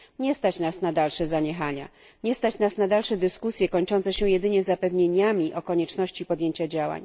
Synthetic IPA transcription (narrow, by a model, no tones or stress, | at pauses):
ɲɛst̪at͡ɕnasnad̪alʂɛzaɲɛxaɲa̰ | ɲɛst̪at͡ɕnasnad̪alʂɛd̪ɘskusʲjɛkɔɲt͡ʂɔnt̪sɛɕɛ̃jɛd̪ɘɲɛzapɛvɲeɲamʲiʔɔkɔɲɛt͡ʂnɔɕt͡ɕipɔd̪jeɲt͡ɕad͡ʑawa̰ɲ